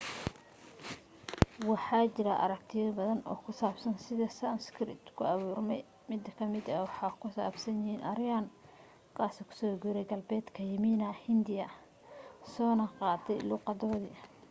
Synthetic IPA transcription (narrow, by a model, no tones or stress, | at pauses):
wɑħɑːt͡ʃɪɾɐʔɐ̰ɾɐk̚t̪ʰɪjɐbɐðɐnɔ̰ːkʰʊsaːbsɐnsɪðɐsɐnskʰɾɪ̰t̪kʰʊɑβuːrmɛj | mɪd̪ɐkʰɐmɪd̪ɐwɑħɑːkʰʊsa̰ːbsɐnjɪhiːnʔɐɾɪjan | kʰaːsɔkʰʊ̥sɔːɡuɾɛjɡɐlbɛːd̪kʰɐjɐmiːnɐhɪnd̪ɪjɐ | sɔːnɐqɑːt̪ʰɛjluːqɑðɔːðɪ̰ʔ